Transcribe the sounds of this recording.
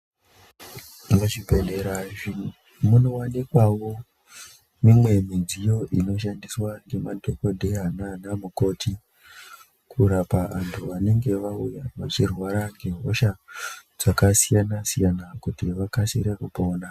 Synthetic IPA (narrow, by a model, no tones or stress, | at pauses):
inoʐipendeɾaʐi | munowanikwawo̞ | mimwe̞mid͡zijo̞ʔino̞ʃandiswaŋɡe̞madʱoko̞dʱe̞ɦananamuko̞ːtʰi | kʰuɾapaʋantʰuʋane̞ŋɡe̞ʋaujaʋat͡ʃirwaɾaŋɡe̞ɦo̞ʃad͡z̥akasijanasijanakutiʋakasiɾekupo̞ːna